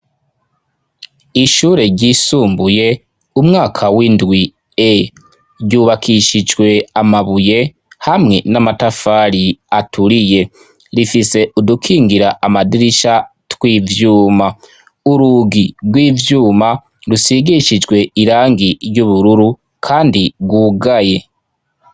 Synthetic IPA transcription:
iʃuːɾe̞ɾɟiːsuːmbuje̞ | umŋaːkʰawindwi | e | ɾɟuːβakʰiʃid͡ʒɡwe̞amaβuje̞ | hamŋe̞namatafaːɾiatʰuɾije̞ | ɾifise̞udukʰiːŋɡiɾaʔamadiɾiʃatwiːvjuːma | uɾuːɡiɡwiːvjuːma | ɾusiɡiʃid͡ʒwe̞iɾaːŋɡiɾjuβuɾuɾu | kʰaːndiɡwuːɡaje̞

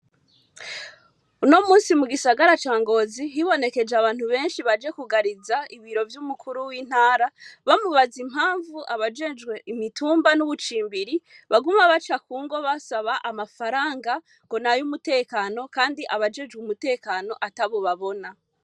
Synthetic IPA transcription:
uno̞muːnsimuɡisaɡaɾat͡ʃaːŋɡo̞ziɦiβo̞ne̞ke̞d͡ʒeaβaːnhuβe̞ːnʃiβad͡ʒe̞kuɡaɾizaiβiɾo̞vjumukʰuɾuwiːn̥haːɾaβamuβazimhaːɱvuʔaβad͡ʒe̞ːd͡ʒɡwe̞ʔimituːmbanuβut͡ʃiːmbiɾiβaɡumaβat͡ʃakuːŋɡo̞βasaβaʔamafaɾaːŋɡa | ŋɡ̥o̞najumute̞ːkano̞kaːndiʔaβad͡ʒeːd͡ʒɡwumute̞ːkano̞ʔataβoβaβo̞na

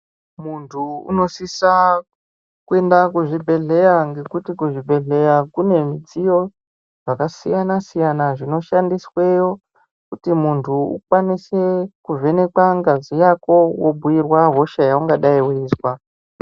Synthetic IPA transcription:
muntʰuṵno̞sisa | kue̞ndakuʐibʱe̞ɮe̞jaŋɡe̞kutikuʐibʱe̞ɮe̞jakune̞mid͡zijo̞ | ʐakasijanasijanaʐino̞ʃandiswe̞jo̞ | kutimuntʰuṵkwanise̞kuvʱe̞ne̞kwaŋɡazijako̞wobʱuwirwaɦo̞ʃajauŋɡaɗaiweːswa

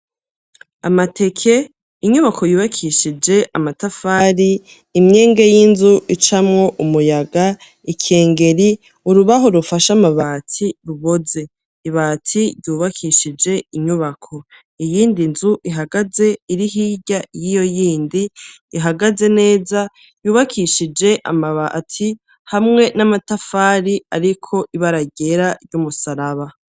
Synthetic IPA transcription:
amatʰe̞kʰe̞ | iɲuβakʰo̞juːβakʰiʃid͡ʒe̞ʔamatafaɾiː | mɲe̞ːŋɡe̞jinzuʔit͡ʃamŋo̞ʔumujaɡa | ikʰeːŋɡe̞ɾi | uɾuβaɦoɾufaʃamaβatʰiɾuβo̞ze̞ | iβaːtʰiɾjuːβakʰiʃid͡ʒe̞iɲuβakʰo̞ | ijiːndinzuʔiɦaɡaze̞iɾiɦiɟajijo̞jiːndiː | ɦaɡaze̞ne̞ːza | juːβakʰiʃid͡ʒe̞ʔa̰maβatʰi | hamŋe̞namatafaːɾiaɾikʰo̞ʔiβaɾaɟe̞ɾaɾjumusaɾaβa

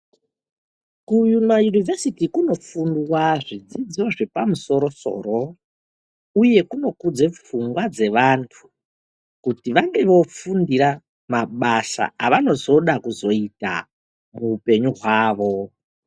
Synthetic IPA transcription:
kujumajunivesitikuno̞fundwaʐid͡zid͡zioʐepamuso̞ɾo̞so̞̰ːro̞ | uje̞kuno̞kud͡ze̞p͡fuŋɡwad͡ze̞ʋantʰu̥ | kutiʋaŋɡe̞ʋo̞fundiɾa | maɓasa̰aʋano̞zo̞ɗakuzo̞ita̰ | muupe̞ɲuɦwaːʋo̞

